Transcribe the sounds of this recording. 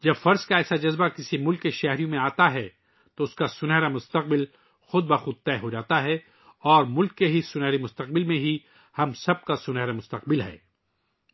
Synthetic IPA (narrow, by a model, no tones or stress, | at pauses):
d͡ʒɐbfɐɾzkaɛːsad͡ʒɐzbakɪsimʊlkːeʃɛɦɾijõmẽaːt̪aɦɛː | t̪oʊskasʊnɦɛːɾamʊst̪ɐq̚bɪl | xʊd̪̚bɐxʊd̪̚t̪ɛːɦod͡ʒaːt̪aɦɛː | ɔːɾmʊlkːeɦisʊnɛːɾemʊst̪ɐq̚bɪlmẽɦi | hɐmsɐb̚kasʊnɦɛːɾamʊst̪ɐqbɪlɦɛ̰ː